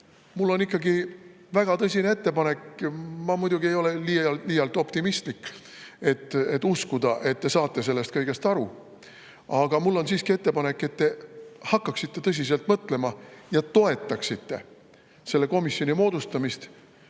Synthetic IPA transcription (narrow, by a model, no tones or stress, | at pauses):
mulːo̞nikˑːɑɡi | væɡ̥ɑt̪ɤsʲine̞e̞t̪ːe̞pɑne̞kmɑmujd̪̥ʲuɡ̥ie̞jo̞le̞liliːjɑlt̪ːˑo̞pt̪imist̪likː | e̞t̪ːet̪ːuskud̪ɑʔe̞t̪̚ːe̞sɑːt̪ːˑe̞s̬e̞lːe̞st̪̚kɤjɡ̥e̞st̪ɑɾu | ɑɡ̥ɑmulːo̞nsiːskie̞t̪ːe̞pɑne̞kːˑe̞t̪ːe̞hɑkːɑksit̪ːe̞t̪ɤs̬ʲis̬e̞lt̪mɤt̪ːle̞mɑjɑt̪o̞e̞t̪ˑːɑksit̪ːe̞ | se̞lːe̞ko̞misjo̞nimo̞ːd̪̥ust̪ɑmist̪